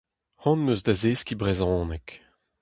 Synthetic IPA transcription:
hɑ̃nmøzd̪azeːskʲibʁɛzɑ̃ːnɛk

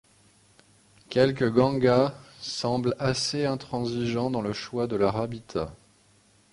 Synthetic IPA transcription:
kʲɛlk̬əɡɑ̃ɡasɑ̃blaseɛ̃t̪χɑ̃ziʒɑ̃d̪ɑ̃ləʃwad̪əlaʁabit̪ʰa

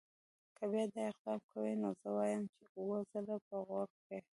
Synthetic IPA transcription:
kʰəbjɑd̪ɑɪqd̪ɑmkʰawinozəwɑjəmt͡ʃeuwəzəlapəɣaɾ | e

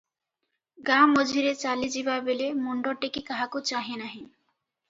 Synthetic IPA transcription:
ɡamod͡ʒʱiɾet͡ʃalid͡ʑibabelemoɳɖoɾʈekikaɦakot͡ʃaɦenaɦĩ

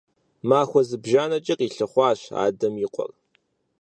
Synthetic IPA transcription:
maːxʷɔzɨbʒaːnɐt͡ʃʼɪqʼiːɬɨχʷɑːɕa̰ːdɐmjɪqʷʼɔ̰r

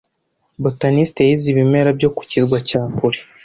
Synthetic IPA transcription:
botanisteiziβime̞ɾabɟo̞ku̥cizɡwacaːpuɾi

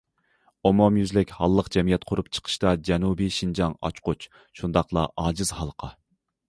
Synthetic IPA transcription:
omomjyzlɪkʲhɑlˠːəqd͡ʒɛmijɛt̪̚qʰʊɾupt͡ʃʰə̥qʰə̥ʃt̪ɑd͡ʒɛnubiʃind͡ʒɑŋɑ̰t͡ʃqʊt͡ʃ | ʃund̪ɑqlˠɑ̰ʔɑːd͡ʒɨz̥hɑlˠqʰɑ

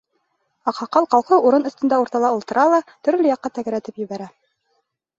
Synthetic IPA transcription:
ɑqhɑqɑlˠqɑlˠqɤʔuɾɤnɵ̆st̪ɘ̆nd̪ɑuɾt̪ɑlˠɑulˠt̪ɤ̆ɾɑlˠɑt̪ɵ̆ɾlɘjɑqːɑt̪æɡæ̆ɾæt̪ɘpjɘ̆βæɾæ

